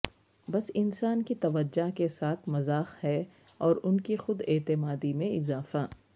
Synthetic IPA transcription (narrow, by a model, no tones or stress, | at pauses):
bɐsɪnsaːnkit̪ɐʋəd͡ʒːakesaːt̪ʰmɐzaːxhɛ | ɔːɾʊnkixʊd̪eːt̪ɪmaːd̪imẽɪzaːfaː